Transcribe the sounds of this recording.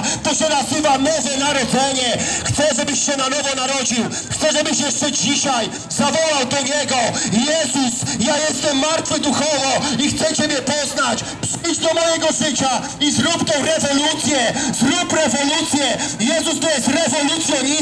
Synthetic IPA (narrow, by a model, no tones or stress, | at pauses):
t̪ɔɕɛnazɨvanɔvɛnaɾɔd̪zɛɲɛxt̪sɛʐɛbɘɕɕɛnanɔvɔnaɾɔd͡ʑiw | xt̪sɛʐɛbɘɕjɛʂt͡ʂɛd͡ʑiɕaj | zavɔwawd̪ɔɲɛɡɔjɛzusjajɛst̪ɛmːaɾt̪fɘd̪uxɔvɔixt̪sɛt͡ɕɛmʲjɛpɔznat͡ɕ | pʂɘjd͡ʑd̪ɔmɔjɛɡɔʐɪt͡ɕa | izɾupt̪ɔɾɛvɔlut̪sʲjɛzɾupɾɛvɔlut̪sʲjɛjɛzust̪ɔjɛst̪ɾɛvɔlut̪sʲjɛɲi